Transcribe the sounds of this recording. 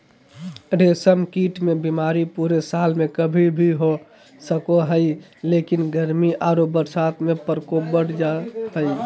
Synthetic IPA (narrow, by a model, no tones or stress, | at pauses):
ɾesəmkiːʈmẽbimaːɾipuɾesaːlmẽkəbʱibʱiɦo | səkoɦəɪlekinɡəɾmiʔaːɾobəɾsat̪ʰmẽpəɾkobəɽ̤d͡ʒaɦəɪ